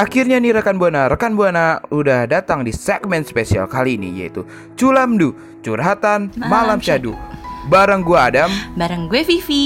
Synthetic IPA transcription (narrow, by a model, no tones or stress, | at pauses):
ʔakirɲaniɾəkanbuanaɾəkanbuanaudahdat̪aŋdisɛɡ̚mɛnt̪spesia̰lkaliːnḭja̰ḭt̪u | t͡ʃulamdu | t͡ʃuɾɦat̪anmalamt͡ʃadṵbaɾaŋɡuaːdambaɾaŋɡuɛfifi